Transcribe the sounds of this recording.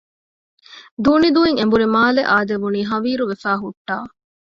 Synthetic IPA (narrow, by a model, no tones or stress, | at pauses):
d̪uːnid̪uiŋembuɾimaːleʔaːd̪eʋuniːɦɐʋiːɾuʋefæːɦuʈːaː